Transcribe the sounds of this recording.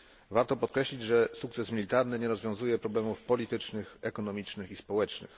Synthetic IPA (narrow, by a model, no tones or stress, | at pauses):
vaɾt̪ɔpɔt̪̚kɾɛɕlʲid͡ʑʐɛsukt̪sɛsmʲilʲit̪aɾnɘɲɛɾɔzvʲjɔ̃w̃zujɛpɾɔblɛmufpɔlʲit̪ɘt͡ʂnɘxɛkɔnɔmʲit͡ʂnɘxispɔwɛt͡ʂnɘ̰x